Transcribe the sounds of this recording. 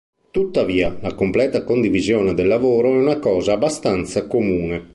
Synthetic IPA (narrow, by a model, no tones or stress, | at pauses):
t̪ut̪ːaviːalakomplɛːt̪akond̪ivizjoːned̪elːavoːɾoɛunakɔːzaːbːast̪ant̪sakomuːne